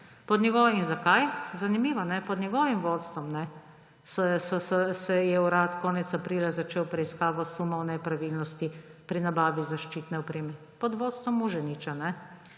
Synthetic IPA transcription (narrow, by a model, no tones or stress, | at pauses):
pɔd̪nʲjɛɡɔʋinzakajzanimiːʋanɛpɔd̪nʲɛɡɔːʋimʋɔːt̪st̪ʋɔmnɛ | sɔsɔsɔsɛjɛuɾaːt̪kɔːnɛt̪sapɾiːlazat͡ʃeːwpɾɛiskaːʋɔsumɔwnɛpɾaʋilnɔst̪ipɾinabaːʋizaʃt͡ʃit̪nɛɔpɾeːmɛ | pɔd̪ʋɔːt̪st̪ʋɔmuʒɛnit͡ʃanɛ